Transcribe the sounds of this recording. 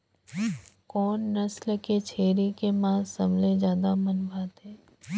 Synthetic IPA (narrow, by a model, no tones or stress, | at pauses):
kɔːnːɐslket͡ʃʰeːɾikemãːsɐmlezjaːd̪amənbʱaːt̪ɦɛː